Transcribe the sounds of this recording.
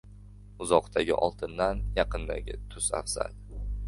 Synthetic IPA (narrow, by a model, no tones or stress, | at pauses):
ʊzɒqt̪ʰaɡʲɪʔɒlˠt̪ʰɪnd̪anjɑqɨnd̪a̰ɡʲɪt̪ʰʊsa̰fsa̰l